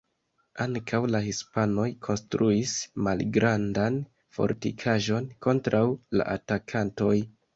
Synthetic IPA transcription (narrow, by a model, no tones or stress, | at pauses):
aŋkʰawlahispano̞jkʰo̞nstɾuismalɡɾʔandan | fo̞̰ɾtḭkʰaʒo̞nko̞ntɾawla̰ʔatakʰanto̞j